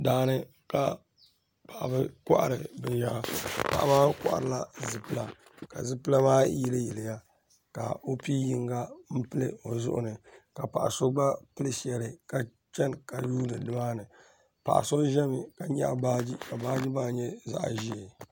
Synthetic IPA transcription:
daː˨nɨ˦ | ka˨ | pa˨ʔa˨bɨ˦kɔ˦ʔa̰˨ɾɨ˨bɨ˨ʒa˦pa̰˨ʔa̰˦maː˦kɔ̰˦ʔa̰˨ɾɨ˨la˦zɨ˨pɨ˦la˨ | ka̰˨zɨ˦pɨ˦la˦maː˦ji˦lɨ˦ji˨lɪ˨ja˦ | ka̰˨o˦pi˦ji˦ŋɡa˦m̩˦pɨ˦lɨ̰˦o˨zʊ̰˦ʔʊ̰˨nɨ˨ka˨pa̰˨ʔa̰˨so˦ɡ͡ba˦pɨ˦lɨ˦ʃɛ˨lɨ˨ka˨ | t͡ʃɛ˦nka˨juː˦nɨ˨dɨ˦ma˦nɨ˨ | pa̰˨ʔa̰˨so˦ʒɛ˦mɨ˨ka˨ɲa˦˨baː˦d͡ʒi˦ka˨baː˦d͡ʒi˦baː˦ɲɛ˦za̰˨ʔʒi˦e˨

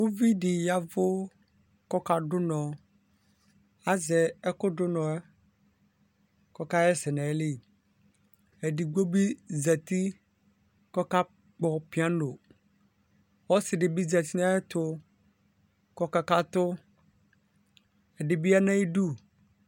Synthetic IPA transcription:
wo˦vi˦ɖɪ˨ja˦vʊ˦ | kɔ˦ka˦ɖʊ˦nɔ̃˨ | a˦zɛ˨ɛ˦kʊ˦ɖʊ˦nɔ̃˨ɛ˦ | kɔ˦ka˦ɛ˦sɪ˨nɛ̃˨˦li˦˨ | e˨ɖi˨ɡ͡bo˦bi˦zɛ˨t̪i˦ | kɔ˦ka˦ | k͡pɔ˨pi˦a˦no˨ | wɔ˦sɪ˨ɖɪ˨bi˦zɛ˨t̪i˦nã˦ɛ˦t̪ʊ˦ | kɔ˦ka˦ka˦t̪ʊ˦ | ɛ˨ɖɪ˨bi˦a˦nɛ̃˦i˦ɖu˦

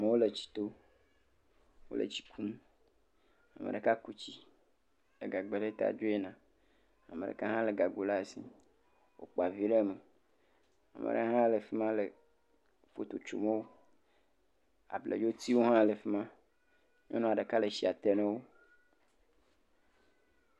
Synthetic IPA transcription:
a˨me˨wo˦le˨t͡ɕi̥˨t̪o˦ | wo̰˦lḛ˨t͡ɕi̥˨kʰu˦m | a˨mḛ˨ɖe˨ka˦ku˦t͡ɕi˦ | lḛ˨ɡa˨ɡ͡be˨ɖe˦t̪a̰˨d͡ʒo˦e˦nã˨ | a˨mḛ˨ḛ˨ka˦ɦã˦le˨ɡa˨ɡo˨la˦e˨si˦ | wo̰˨k͡pa˨vi˦ɖe˦˨me˨ | a̰˨mḛ˨ɖḛ˦ɦã˦le˨fe˦mã˦le˨ | fo˨t̪o˨t͡ʃo̰˨mẽ˦wo˦ | a̰˨blḛ˨d͡ʒo˦t̪i˦wo˦ɦã˦le˨fe˦mã˦ | ɲɔ̰̃˦nɔ̃˦a˨ɖe˨ka˦le˨ʃi˨a˨t̪e˦nɛ̃˦wo˦

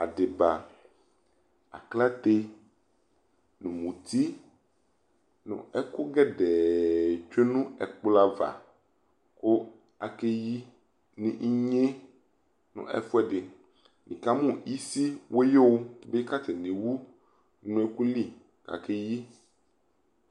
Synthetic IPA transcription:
a˨ɖe˨ba˨ | a̰˨kla˦t̪e˦ | nũ˨mũ˨t̪i˦ | nṵ̃˨ɛ˦ku˦ɡɛ˦ɖɛ˨t͡ʃe˦nũ˦ɛ̰˨k͡pla˦va̰˨ | ko˦ | a˨ke˦ji˦ | nṵ̃˦ʔi˦ɲe˦ | nṵ̃˨ɛ̰˨fu˦ɛ˦ɖɪ˨ | nĩ˨ka˦mũ˦˨i˦si˦wʔo˦je˦wo˦be˦ka˦tɛ˨nĩ˨wu˦ | nũ˨˦ɛ˦ku˦li˦ | ka̰˨ke˦ji˦

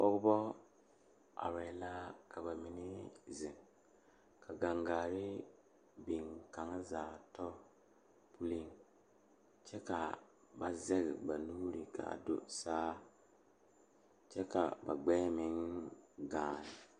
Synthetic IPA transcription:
ɔ˦ɡbɔ˦ | a̰˨ɾɛ˨la˦kʰa˨ba˨mɪ˨nɪ˦zɪ˨ŋ | kʰa˨ɡa˨ŋɡaː˨ɾɪ˦ | bi˨ŋka˨ŋ˦zaː˨tɔ˦ | pʰu˦li˦ŋ | t͡ʃɛ˦ka˨ | ba˨zɛ˦ɣɪ˨ba˨nu˦ɾi˨kʰa̰˨a̰˨do̰˦saː˦ | t͡ʃɛ˦ka̰˨ba̰˨ɡ͡bɛː˦mɪ˨˦ŋɡaː˨nɪ˨

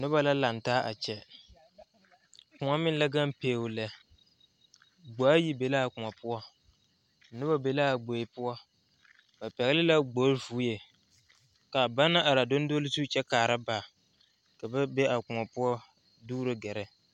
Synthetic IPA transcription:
nʊ˦ba˦la˦la˨n˨taː˦ʔa̰˨t͡ʃɛ˦ | kʊ˨ŋa˦mɪ˦n˦la˦ɡa˦mpeː˨wlɛ˨ | ɡ͡ba˨a˦ji˦be˨la˦a˨kʊ˨ŋa˨pʊ˦ɔ˦˨ | nʊ˦ba˦be˨la˦a˨ɡ͡bo˨ɪ˨pʊ˦ɔ˦ | ba˨pɛ˨ɣɪ˦lɪ˦la˦ɡ͡bo˨˦vuː˨˦je˨ | ka˨ba˦na˦ʔa˨ɾa˨do˦n˦do˦lɪ˦zuː˦t͡ʃɛ˦kaː˨ɾa˦ba˨ | ka˨bɛ˦be˦ʔa˨kʊ˨ŋa˨pʊ˦ɔ˦ | duː˦ɾɨ˦ɡɛ˨ɾɛ˦

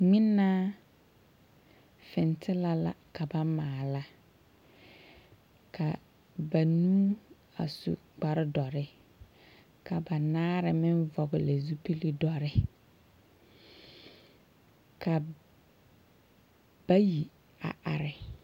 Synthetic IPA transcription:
ŋ͡mɪ˦nːaː˦ | fɪ˨ntʰɪ˦la˨la̰˨ka˨ba˦maː˨la˦ | kʰa˨ | ba˨nuː˦ | a̰˨sṵ˨ | ɡ͡ba˨ɾɪ˦dɔ˨ɾɪ˦ | ka˨ba˨naː˦ɾɪ˨mɪ˦nvɔ˨ɣɪ˨la˨zu˦pi˦li˦dɔ˨ɾɪ˦ | ka˨ | b̥a˦ji˨ | a̰˨ʔa̰˨ɾɪ˨

